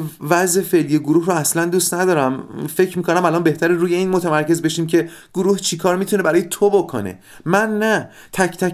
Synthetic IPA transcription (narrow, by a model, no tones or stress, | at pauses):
væzefe̞lijeɡoɾuːhroæslænd̪ust̪næd̪ɒːɾæmfe̞cʰɾmiːkʰonæmælɒnbe̞ht̪æɾeɾuːje̞iːnmot̪ʰæmæɾce̞zbe̞ʃiːmcʰe̞ | ɡ̥oɾuːht͡ʃʰikʰɒːɾmiːt̪ʰune̞bæɾɒːjet̪ʰobokʰo̰ne̞̰ | mænːæ | t̪ʰæct̪ʰæ